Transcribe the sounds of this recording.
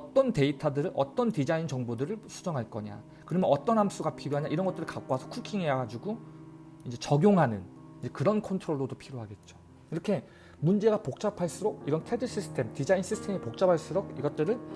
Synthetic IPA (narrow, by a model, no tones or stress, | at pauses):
ʌt͈ʌnte̞itʰadɯɾɯʔʌ̰t͈ʌntid͡ʑaint͡ɕʌŋbodɯɾɯɭsʰu̥d͡ʑʌŋɦaɭk͈ʌɲa̰ | kɯɾʌmjʌnʌt͈ʌnɦams͈uɡapʰiɾjoaɲaʔiɾʌnŋɡʌt͈ɯɾɯɭkak͈oɦasʰʌkʰukʰiŋejaɡad͡ʑuɡo | ind͡ʑe̞t͡ɕʌɡjoŋɦanɯn | id͡ʑe̞kɯɾʌnkʰontʰɯɾoɭːodopʰiɾjoɦaɡe̞t̚t͡ɕ͈o̥ | iɾʌkʰe̞ | mund͡ʑe̞ɡapok̚t͡ɕ͈apʰaɭs͈ɯɾoɡ̚iɾʌntʰedɯs͈isʰɯ̥tʰe̞mtid͡ʑains͈ʰisʰɯ̥tʰe̞mipok̚t͡ɕ͈abaɭs͈ɯɾoɡ̚iɡʌt̚t͈ɯɾɯɭ